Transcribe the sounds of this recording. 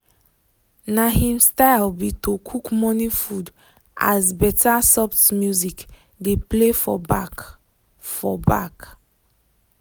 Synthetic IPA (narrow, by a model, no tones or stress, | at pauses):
nahĩmstaɪlbitokʰukmɔnifud | a̰zbɛtasɔptmjuzik | deplefɔ̰bak | fɔba̰k